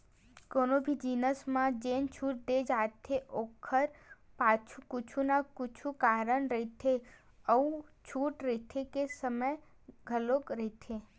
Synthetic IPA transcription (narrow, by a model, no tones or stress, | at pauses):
koːnobʱid͡ʒiːnəsmãd͡ʒeːnt͡ʃʰuːʈ̚d̪eːd͡ʒaːt̪ʰeʔoːkʰəɾ | paːt͡ʃʰukʊt͡ʃʰunakʊt͡ʃʰukaːɾənɾəɦit̪ʰe | əũt͡ʃʰuːʈɾəɦit̪ʰekesəməj | ɡʱəlokɾəɦit̪ʰe